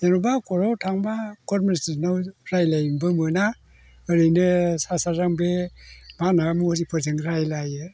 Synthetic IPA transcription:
enubakɔɾawtʰaŋbaɡɔɾmɔnistnawɾajlajmbɯmɯna | ɯɾɯjnɯsasazaŋbemanamuhɔɾipʰɯzɯŋɾajlajɯ

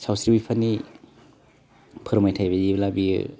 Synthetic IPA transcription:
sawsɾibipʰani | pʰɯɾmajtʰajbajiblabiɯ̰

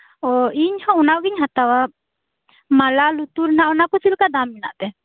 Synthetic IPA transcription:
ɔiɲhɔ̃unaɡiɲɦat̪awa | malalut̪uɾnaʔɔnakɔsilkad̪amːina̰ʔt̪ɛ

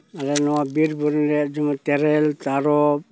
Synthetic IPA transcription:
aɾenoabiɾbuɾnɾed͡ʒumateɾeltaɾop̚

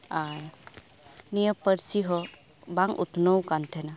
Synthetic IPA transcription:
a | nijəpəɾsiɦɔ | baŋṵt̪nowkant̪ʰɛna

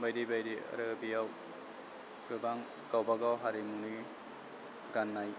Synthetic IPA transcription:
bajdibajɾia̰ɾɯbijaw | ɡ̥ɯbaŋ | ɡ̥awbaɡawɦaɾimunɯ | ɡanːaj

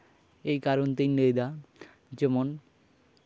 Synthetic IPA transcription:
ejkaɾont̪ijnejd̪a | d͡ʑemon

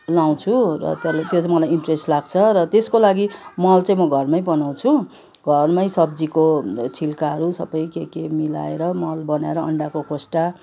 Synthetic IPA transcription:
law̃t͡sʰurʌ̰t̪ʌlt̪jot͡saĩmʌlajiɳʈresʈlaɡt͡sʰʌɾʌt̪eskolaɡimʌlt͡sãj̃mʌɡʱʌrmʌjbʌnaw̃t͡sʰu | ɡʱʌrmʌjsʌb̚d͡zikot͡sʰilkaɦʌɾusʌ̰bʌjkekemila̰eɾʌmʌlbʌnaeɾʌʌ̰ɳɖakokʰosʈa

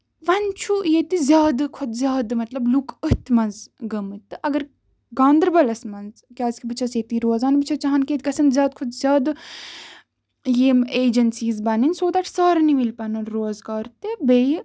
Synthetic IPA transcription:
ʋɐnt͡ʃʰujet̪izʲjaːd̪kʰʊd̪zʲjaːd̪mɐt̪lɐblukəht̪mɐnzɡɐmɨt̪ɨʔɐɡɐɾ | ɡãːnd̪ɾbɐlɐsmɐnzkʲaːzkʲʰibɨt͡ʃʰɐseːt̪iːɾoːzaːnbɨt͡ʃʰɐt͡ʃɐɦɐnkeːt̪kɐsɐnzʲjaːd̪̚kʰʊd̪zʲjaːd̪ | jeːmeːd͡ʒɐnsiːzbɐninʲsoːt̪ɐʈʰsaːɾnimilpɐnunɾoːzɡaːɾt̪ebe

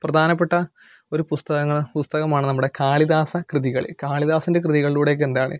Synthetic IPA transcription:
prɐd̪ʱaːnɐp̬ːe̞ʈːɐ | o̞ɾupust̪ɐɣɐŋːɐɭpust̪ɐɣɐmaːɳɨnɐmːuɽe̞kaːɭiðaːsɐkrɨðiɣɐɭḭlkaːɭiðaːsinde̞krɨðiɣɐɭiluːɽek̬ːend̪aːɳɨ̰

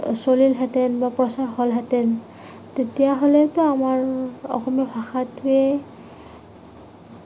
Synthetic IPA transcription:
solilɦɛtɛnbapɹɔsaɹhɔlɦɛtɛn | tetijaɦolɛtɔamaɹɔ̰xɔmiɔbʱaxatɛ

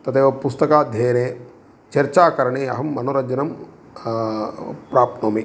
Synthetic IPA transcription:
t̪ɐt̪eːʋɐpust̪ɐkaːd̪ʱjeːneː | t͡ʃɐɾt͡ʃaːkɐɾɐɳeːɐ̰ɦɐmːɐnoːɾɐd͡ʒɐnɐm | pɾaːp̪̚noːmi

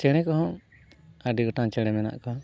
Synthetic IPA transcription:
t͡ʃɛɽ̃ɛkɔɦɔ̃ | aɖiɡɔʈaŋt͡ʃɛɽɛmɛna̰ʔkɔ

